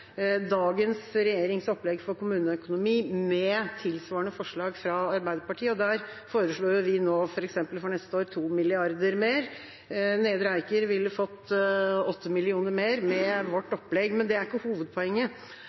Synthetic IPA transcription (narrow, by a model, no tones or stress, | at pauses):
d̪ɑːɡənsɾɛjeːɾɪŋsɔpːlɛɡfɔɾkʊmʉːnəœkʊnʊmiːmɛt̪ʰɪlsʋɑːɾəɳəfɔʂɭɑːɡfɾɑɑɾbæɪd̪əɾpɑʈʰiːəɔd̪æɾfoːɾəʂɭoːjʊʋɪnoːfɔɾɛksɛmpəlfɔnɛst̪əoːɾt̪ʰuːmɪlɪɑɾd̪əɾmeːɾ | neːd̪əɾəæɪkəɾʋɪlːəfɔt̪ːɔt̪ːəmɪlɪuːnəɾmeːɾmɛʋɔʈːɔpːlɛɡmɛnd̪ɛæɾɪkːəhuːʋəd̪̚pʰɔɛŋːə